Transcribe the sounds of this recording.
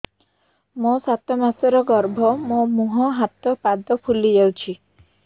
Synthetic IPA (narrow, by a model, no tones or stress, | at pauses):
mosat̪ɔmaseɾɔɡɔɾbʱɔmõmuɦɔɦat̪ɔpad̪ɔpʰulid͡ʒawt͡ʃʰi